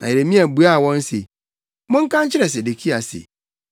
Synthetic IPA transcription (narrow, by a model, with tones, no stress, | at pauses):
nã˨e˨ɾe˨mĩ˦æ˨bu˨a˦˨wɔ̃˦n˦se˨ | mʊ̃˦ŋ̩˦kʰã˦ɲ˦t͡ɕʰɪ˦ɾɛ˨s̬e˨de˨kʰi˦a˨sḛ˨